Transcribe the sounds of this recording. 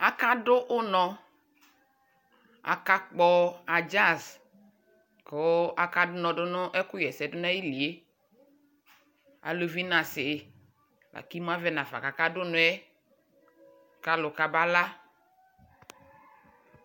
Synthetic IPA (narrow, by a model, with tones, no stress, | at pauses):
a˨ka˦ɖʊ˦ʔʊ˦nɔ̃˨ | a̰˨ka˦k͡pɔ˦a˨d͡ʒa˦˨s | ko˨˦a˨ka˦dʊ˦nɔ̃˨dʊ˦nʊ˦ʔɛ˦kʊ˦jɛ˨sɛ˨dʊ˦nã˦ji˦li˨e˦ | a̰˨lo˨vi˦nã˨sɪ˨ | la̰˨ki˦m˦ã˦vɛ˦nã˨fa̰˨ka˨ka˦dʊ˦nʊ̃˨˦ɛ˦ | ka˦lʊ˨ka˨ba˦la˦